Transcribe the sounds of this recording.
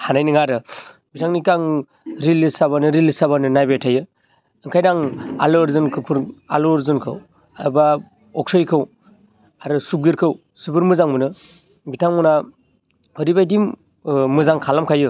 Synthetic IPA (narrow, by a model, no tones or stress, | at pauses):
hanajniŋaɾɯ | bitʰaŋnikaŋ | ɾilisaβanɯɾilsaβanɯnajbetʰajɯ | ɯŋkʰajdaŋa̰lɯɾzɯnkʰɯpʰɯɾa̰loɾzɯnkʰɯ̰w | aba | ɔk̚sɔjkʰɯw | aɾɯsub̚ɡiɾkʰɯw | subɯɾmɯzaŋmɯnɯ | bitʰaŋmɯna | ɔɾibajdim | mɯzaŋkʰalamkʰajɯ